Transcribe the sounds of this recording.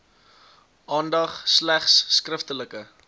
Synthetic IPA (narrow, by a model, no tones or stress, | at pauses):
ʔɑːndɐχslæχsːkrəftələkə